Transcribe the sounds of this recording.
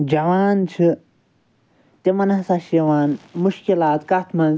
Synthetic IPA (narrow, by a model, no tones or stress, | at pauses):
d͡ʒɐwaːnt͡ʃʰɨ | t̪emɐnasaʃiwaːnmuʃkilaːt̪kat̪ʰmɐn